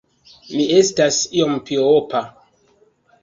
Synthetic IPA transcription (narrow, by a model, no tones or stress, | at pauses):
miestasiɔmpioɔpʰa